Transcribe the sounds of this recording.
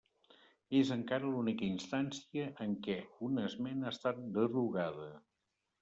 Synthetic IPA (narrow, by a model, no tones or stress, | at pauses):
ezəŋkaɾəlunikəinst̪ansiəʔːŋkɛunəzmenast̪at̪̚d̪əruɣað̞ə